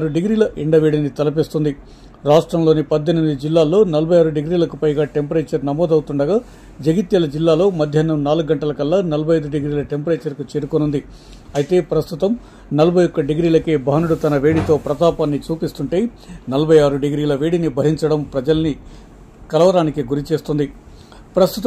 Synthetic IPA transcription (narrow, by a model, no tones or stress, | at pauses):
ɾuɖiɡɾiːlɐʔiɳɖɐʋeːɽinit̪ɐlɐp̬ist̪und̪i | ɾaːʂʈɾɐmlo̞ːnipɐd̪ːenmid̪ud͡ʒilːaːlo̞ːnɐlɐbʱɐjaːɾuɖeɡɾiːlɐkupɐjɡaːʈempɐɾeːt͡ʃɐɾnɐmɔːd̪ɐwut̪uɳɖɐɡaː | d͡ʒɐɡit̪jɐlɐd͡ʒilːaːlo̞ːmɐd̪ʱjɐnɐmnaːluɡːɐɳʈɐlɐkɐlːaːnɐlɐbʱɐjɐjd̪uɖeɡɾiːlɐʈempɐɾeːt͡ʃɐɾkut͡ʃeːɾukonund̪i | ɐjit̪e̞ːpɾɐst̪ut̪ɐm | nɐlɐbʱɐjɔkːɐɖeɡɾiːlɐkeːbɐɦɐnuɽut̪ɐnɐʋeːɽit̪o̞ːpɾɐt̪aːpaːnːit͡ʃuːpist̪uɳʈeː | nɐlɐbʱɐjaːɾuɖeɡɾiːlɐʋeːɽinibʱɐɦiɲt͡ʃɐɽɐmpɾɐd͡ʒɐlɐni | kɐlɐʋɐɾaːnikiɡuɾit͡ʃe̞ːst̪und̪i | pɾɐst̪ut̪